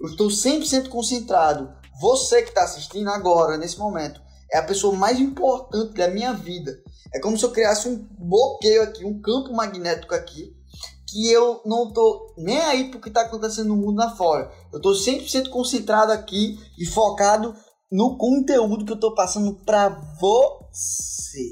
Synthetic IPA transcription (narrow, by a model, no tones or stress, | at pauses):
ewɪʃt̪owsẽpɾɪsẽt̪ʊ̥kõsẽnt̪ɾad̪ʊ | vosekɪ̥t̪aasiʃt̪ĩnd̪ʊaɡɔɾɐnesɪmõmẽnt̪ʊ̥ | ɛɐpesoɐmajzĩpoɾt̪ɐ̃nt̪ɪd̪ɐmĩɲɐvid̪ɐɛkõmʊsɪewkɾiasɪũblokejʊakiũkɐ̃pʊmaɡinɛt̪i̥kʊaki | kɪewnɐ̃w̃t̪onẽj̃aipʊɾkɪt̪aakõnt̪esẽnd̪ʊnʊmũnd̪ʊnɐfɔɾɐ | ewt̪osẽnʊpʊɾsẽnt̪ʊ̥kõsẽnt̪ɾad̪ʊakiɪfɔkad̪ʊ | nʊkõt̪eud̪ʊk̬ɪewt̪opasɐ̃nd̪ʊpɾɐvose